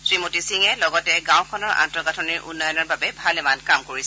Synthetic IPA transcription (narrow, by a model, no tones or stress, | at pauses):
sɹimotisiŋɛlɔɡɔtɛɡãw̃kʰɔnɔɹʔa̰ntɔɡatʰɔniɹʔṵnːɔjɔnɔɹbabɛbʱalɛmankamkoɹisɛ